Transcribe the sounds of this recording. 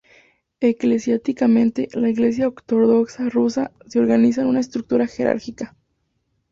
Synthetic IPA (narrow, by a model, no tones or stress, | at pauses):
e̞kle̞sjast̪ikamẽ̞nt̪e̞laiɣle̞s̬jaokt̪o̞ðo̞ksarusaseo̞ɾɣanis̬anunaest̪ɾuk̚t̪uɾaxe̞ɾa̰ɾkika